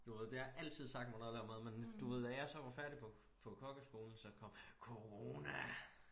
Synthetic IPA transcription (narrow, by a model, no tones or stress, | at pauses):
d̥uʋe̝ð̞̰ˠd̥e̝hɑʔæl̰t͡sʰið̰ˠsɑ̈ɡ̥d̥mnɔleɐmeðˠmend̥uʋe̝ð̞̰ˠd̥æjɑ̈ɪsɒ̽ʋɑ̈fæɐɾ̥ipʰɒ̽ | pʰɒ̽kʰɒ̽ɡ̥əsɡ̥o̝ːln̩sɒ̽kʰɒ̽m̰kʰo̝ʁo̝næ